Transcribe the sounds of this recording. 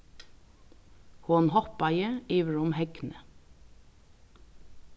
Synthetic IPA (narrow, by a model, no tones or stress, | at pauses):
hoːnhɔpɑjəiːʋəɹʊmhɛɡnə